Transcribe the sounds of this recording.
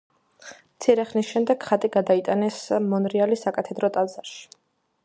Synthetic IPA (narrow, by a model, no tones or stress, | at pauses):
mt̪sʰiɾɛχnisʃɛmd̪ɛɡ̥χat̪ʼiɡad̪ait̪ʼanɛsmɔnɾialisakʼat̪ʰɛd̪ɾɔt̪ʼalzaɾʃi̥